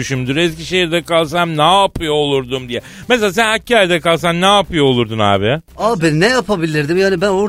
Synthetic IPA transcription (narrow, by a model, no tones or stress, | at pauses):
yʃymd̪yɾɛsciʃejiɾd̪ɛkalˠsamnapʰɯjoːlˠuɾd̪umd̪ijɛ | meselaːsænhacʰːaːɾjd̪ɛkalˠs̬annːaːpɯjoːlˠuɾd̪una̰ːbɪaːbennɛjapʰabilʲiɾd̪imjaːnibænoɾ